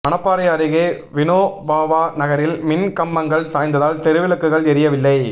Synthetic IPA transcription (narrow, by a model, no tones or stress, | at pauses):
ɐɳɐpːaːɾɐjaɐːɾɯɣeː | ʋɪnoːbaːʋaːnɐɣɐɾɪlmɪnkɐmbɐŋɡɐɭsaːjnd̪ɐðaːlt̪ɛɾɯʋɪlɐkːɯɣɐɭɛɾɪjɐʋɪlːɐɪ